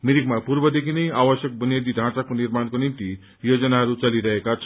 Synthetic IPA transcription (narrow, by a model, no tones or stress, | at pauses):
miɾikmapuɾbʌd̪ekʰinʌjawʌsjʌk̚bʌnjed̪id̪ʱãt͡sakonirmankonimt̪i | jod͡zʌnaɦʌɾut͡sʌliɾʌɦekat͡sʰ